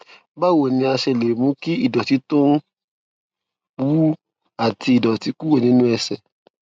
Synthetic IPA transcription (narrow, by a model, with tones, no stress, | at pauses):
ba˦wo˨nĩ˧˦a˧ʃɛ˧˨le˨mũ˨˦ki˦i˦˨dɔ˨ti˨˦tũ˦ | bu˨˦ | a˨ti˧i˨dɔ˨ti˨˦ku˦wo˦˨nĩ˦nũ˦ɛ˧sɛ˨